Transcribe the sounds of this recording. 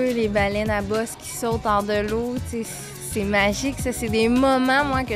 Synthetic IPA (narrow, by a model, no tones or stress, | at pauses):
ølebalɛnabɔskʲʰi̥sɔʊt̪ɑʁd̪əloses | sɛmaʒɪksʌsɛd̪emɔmɑ̃mwakʲə